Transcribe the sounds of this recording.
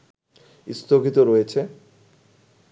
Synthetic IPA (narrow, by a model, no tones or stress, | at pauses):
ist̪ʰoɡʱit̪oɾɔjet͡ɕʰe